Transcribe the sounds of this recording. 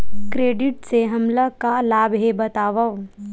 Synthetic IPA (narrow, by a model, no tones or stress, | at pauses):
kɾeːɖɪʈseɦɐmlakalaːbɦebɐt̪aːʋaʋ